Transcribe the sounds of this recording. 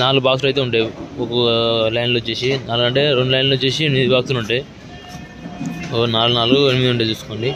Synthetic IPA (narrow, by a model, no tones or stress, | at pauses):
naːluɡbaːks̬lɐjt̪eːuɳʈaːjiɔkɐlɐːjɳɖloːt͡ʃːe̞ːsinaːluɐɳʈe̞ːɾeɳɖulɐjɳɖloːt͡ʃe̞ːsienbaːkt̪uluɳʈaj | naːlunaːluɡuenimid̪iuɳʈejt͡ʃ̪uːsu̥ko̞ːɳɖi